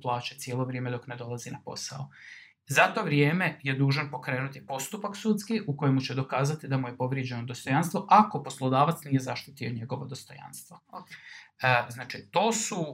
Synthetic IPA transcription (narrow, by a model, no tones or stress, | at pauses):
plˠaːt͡ɕet̪sjelˠo̞ʋɾjeːme̞d̪o̞kne̞d̪o̞lˠazinapo̞̰sa̰o | zat̪o̞ʋɾjeːme̞je̞d̪uːʒanpo̞kɾe̞ːnut̪ipo̞st̪upaksut̪skiʔuko̞jemut͡ɕe̞d̪o̞kaːzat̪id̪amuje̞po̞ʋɾjed͡ʑe̞nod̪ost̪o̞janst̪ʋo̞ʔako̞po̞slˠod̪aːʋat̪snije̞zaʃt̪it̪io̞ɲe̞ɡo̞ʋod̪o̞st̪o̞̰ja̰nst̪ʋo | znaːt͡ʃit̪o̞ːsu